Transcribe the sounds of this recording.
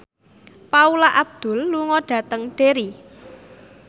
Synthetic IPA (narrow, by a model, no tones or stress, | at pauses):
paulaʔab̚d̪̥ʊ̤lːuŋɔɖ̥ä̤t̪əŋɖ̥e̤ɾi